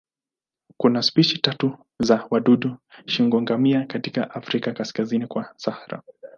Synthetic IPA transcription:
kunaspiʃitatu | zawaɗuɗuʃiŋɡɔŋɡamiakatikaʔafɾikakaskazinikwasahaɾa̰

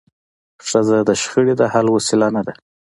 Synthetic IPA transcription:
ʂazad̪əʃxəɽed̪ahalwosɪlanad̪a

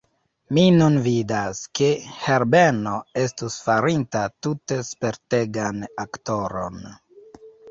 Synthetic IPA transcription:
minunvidaskeheɾbeno̞e̞stusfaɾintatute̞spe̞ɾte̞ɡanakto̞ɾo̞n

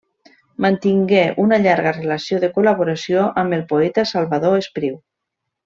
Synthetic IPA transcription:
mant̪iŋɡeʔunaʎaɾɣarelasjoðekolaβ̞oɾasjoʔambelˠpoɛt̪asalˠβaðoespɾiw

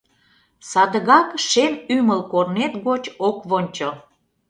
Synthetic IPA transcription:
sɑd̪əɣɑkʃemyməlkornet̪ɣot͡ɕokβonʲt͡ɕo

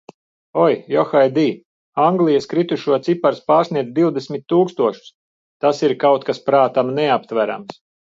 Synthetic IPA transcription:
ɔjjɔxajd̪iː | aŋɡlˠijəskɾit̪uʃuɔt̪sipaɾspaːɾsniɛd̪zd̪iwd̪esmʲit̪ʲːuːkst̪uɔʃu̥s | t̪asiɾkawt̪̚kaspɾaːt̪amneap̚t̪væɾa̰ms

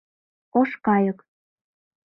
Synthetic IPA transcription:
oʃkɑjɤ̆k

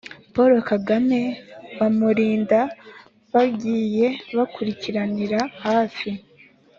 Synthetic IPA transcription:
po̞ɾo̞kaɡame̞βamuɾiːnda | βabɟiːje̞βakuɾiciɾaniɾahaːfi

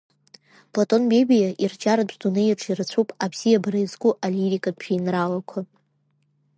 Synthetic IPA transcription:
pʰʼlatʼo̞nbebijaʔird͡ʒaɾazdʼunɨjaʈ͡ʂʰirt͡sʷʰupʼapʰsijabrajzɡuʔaliɾikʼadʃʰiinralakʷʰa

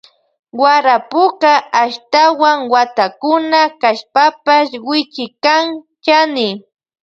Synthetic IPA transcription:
waɾapʊkaːʃt̪awaŋwat̪akʊnakaʃpapaʃwɪt͡ʃɪkaŋ | t͡ʃanɪ

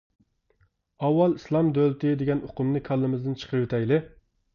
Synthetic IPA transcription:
ɑwːɑlˠislˠɑmd̪ølt̪ʰɪd̪eɡʲɛnoqʊmnɨkʲʰɑlˠːɨmɨzd̪ɨnt͡ʃʰə̥qʰəɾwet̪ʰɛjlɪ

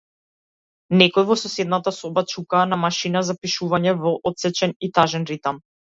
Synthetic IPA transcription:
nɛkɔjvɔsɔsɛd̪nat̪asɔbat͡ʃukaːnamaʃinazapiʃuvaɲɛvɔʔɔt̪sɛt͡ʃɛnit̪aʒɛnɾit̪am

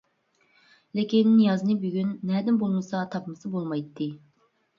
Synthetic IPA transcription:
lɪkʲinːijɑzɨnɨbyɡʲynːɛd̪ɪnbolˠmɨsɑt̪ʰɑpmɨsɨbolˠmɑjt̪ʰːɨ

